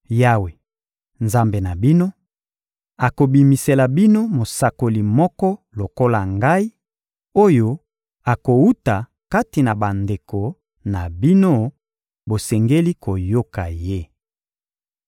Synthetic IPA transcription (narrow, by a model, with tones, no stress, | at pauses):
ja˦we˨ | nza˦mbe˨na˨bi˦no˦ | a˨ko˨bi˨mi˨se˨la˨bi˦no˦mo˨sa˨ko˨li˨mɔ˦kɔ˦lo˨ko˦la˨ŋɡa˦i˦ | o˦jo˦ | a˨ko˨u˦ta˨ | ka˦ti˨na˨ba˨nde˨ko˨ | na˨bi˦no˦ | bo˨sɛ˨ŋɡe˦li˦ko˨jo˦ka˨je˦